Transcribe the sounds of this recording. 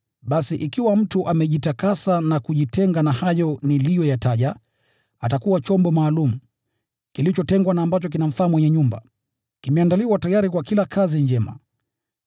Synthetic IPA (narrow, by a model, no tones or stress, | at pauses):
ɓasiʔikiwam̩tuʔamɛʄitakasanakuʄitʰɛŋɡanahajɔnilijɔjataʄa | atakuwat͡ʃɔmbɔmaːlumu | kilit͡ʃɔtɛŋɡwanaːmbat͡ʃɔk̬inam̩faːmwɛɲɛɲumba̰ | kimɛandaliwatajaɾikwakilakʰaziɲd͡ʒɛma̰